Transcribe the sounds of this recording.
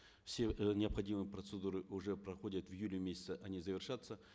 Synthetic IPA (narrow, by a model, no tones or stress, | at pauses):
fsʲenʲɪɐpxɐdʲimɨjpɾət̪sɨd̪uɾɨʔʊʐɛpɾɐxodʲət̪vjulʲɪmʲesʲɪ̥t̪səʔɐnʲizəvʲɪrʂat̪sːə